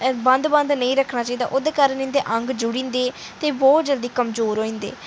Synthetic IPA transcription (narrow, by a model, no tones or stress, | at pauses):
bə̃nd̪bə̃nd̪nəĩːɾəkʰːnaːt͡ʃaːiːd̪a̰ːʔod̪eːkaːɾənɪ̃nd̪eːʔə̃ŋɡd͡ʒʊɽĩːnd̪eː | t̪eːbɔːt̪̚d͡ʒəld̪iːkəmzoːɾɦoːĩːnd̪ḛː